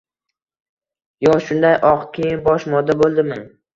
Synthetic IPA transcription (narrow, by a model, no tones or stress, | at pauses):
jɒʃʊnd̪ajʔɒqkʲʰejɪnbɒʃmɒd̪abolˠd̪ɪmɪŋ